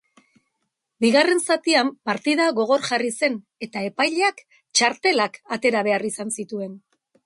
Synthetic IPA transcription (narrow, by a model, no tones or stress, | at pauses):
biɣare̞nsat̪iampaɾt̪iðaɣo̞ɣ̞o̞ɾʝarise̞n | e̞t̪ae̞pajʎeak | t͡ʃaɾt̪e̞lakat̪e̞ɾaβ̞e̞arisansit̪ue̞n